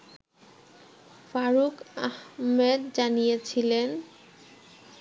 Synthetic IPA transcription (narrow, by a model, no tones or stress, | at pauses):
faɾukahmed̪d͡ʑanijet͡ɕʰilen